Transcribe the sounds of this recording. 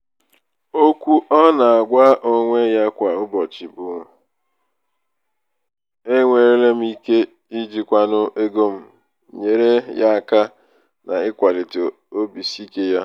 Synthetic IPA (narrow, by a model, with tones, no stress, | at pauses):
o˦kʷu˦ʔɔ˦na˨a˨ɡʷa˦ʔo˦ŋʷe˦ja˦kʷa˨ʊ˦bɔ˨t͡ʃi˨bʊ˨˦˨ | e˦ŋʷe˨ɾe˦le˦m̩˦i˦ke˦ | i˦d͡ʒi˨kʷa˨nʊ˦ʔe˦ɡo˦m̩˦ | ɲe˨ɾe˦ja˦a˨ka˦ | na̰˨ɪ˦kʷa˨li˨ti˨ | o˦bi˨si˦ke˦ja˦